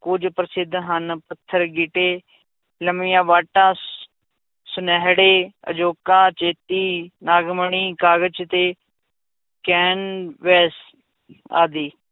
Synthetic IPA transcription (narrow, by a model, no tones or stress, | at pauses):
kʊd͡ʒpɾəsɪd̪ʱːɦənpət̪ʰːəɾɡɪʈeː | ləmɪjãːʋaːʈːãː | sʊnɛːɦɽeːə̰d͡ʒoːkãːt͡ʃeːt̪iːnaːɡməɳiːkaːɡət͡ʃt̪eː | kɛːnʋɛːs | a̰ːd̪iː